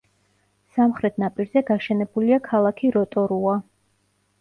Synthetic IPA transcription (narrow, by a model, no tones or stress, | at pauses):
samχɾɛt̪ʰnapʼiɾzɛɡaʃɛnɛbuliakʰalˠakʰiɾɔt̪ʼɔɾua